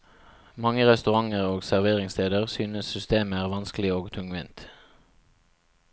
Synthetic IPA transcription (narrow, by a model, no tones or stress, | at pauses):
mɑŋəʁɛst̪ʉʁɑŋəʁoːɡsæʁʋeːʁɪŋst̪ʰeːd̪əʁsyːnəssʏst̪eːməæːʁʋɑnsklɪoːɡt̪ʰʉŋʋɛnt̪